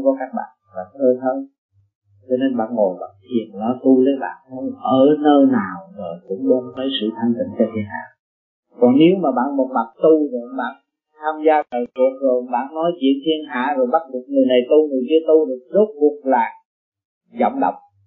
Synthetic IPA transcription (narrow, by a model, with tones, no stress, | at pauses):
ŋ͡mkɔ˨˦kaː˦˥k̚ɓa̰ː˧˨nva̰ː˨˩nt̪ʰəː˧jt̪ʰəː˧j | t͡ɕɔ˧ne˧nɓa̰ː˧˨nŋo˨˩jɓa̰ː˧˨˩nt̪ʰi˨˩ənnɔ˨˦t̪u˧lə˨˦jɓa̰ː˧˨nhə˧ʔəː˧˩nəː˧naː˨˩wzoː˨˩jkʊ̰˧˥ŋ͡mɓe˧nvəː˨˦jsɨ̰˧˨t̪ʰaː˧ŋt̪ḭ˧˨ŋt͡ɕɔ˧t̪ʰi˧˩ənha̰ː˧˨ | kɔ˨˩nne˨˦wmaː˨˩ɓa̰ː˧˨nmo˨˩t̚ma˨˩k̚t̪u˧zo˨˩jɓa̰ː˧˨n | t̪ʰaː˧mzaː˧əː˨˩jku˨˩ək̚zo˨˩jɓa̰ː˧˨nːɔ˨˦jt͡ɕwḭ˧˥ənt̪ʰi˧ənɦa̰ː˧˨zo˨˩jɓa˦˥t̚ɗu˨˩ək̚ŋɨ˨˩əjna˨˩jt̪u˧ŋʰɨ˨˩əjki˧ət̪u˧ɗɨ˨˩ək̚zə˦˥t̚ku˨˩ət̚laː˨˩ | zə̰˧˨wŋ͡mɗə̰˧˨wŋ͡m